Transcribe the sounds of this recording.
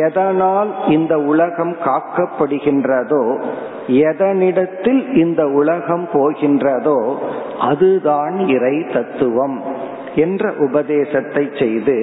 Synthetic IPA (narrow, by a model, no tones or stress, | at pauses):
ɛðɐnaːlɪnd̪ɐʊɭɐɣɐmkaːkːɐpːɐɽɯɣɪndrɐðoː | ɛðɐnɪɽɐt̪ːɪlɪnd̪ɐʊɭɐɣɐmpoːɣɪndrɐðoːʔɐðɯðaːnɪrɐɪt̪ɐt̪ːɯʋɐm | ɛndrɐʔʊbɐðeːsɐt̪ːɐɪt͡ʃsɛjðɯ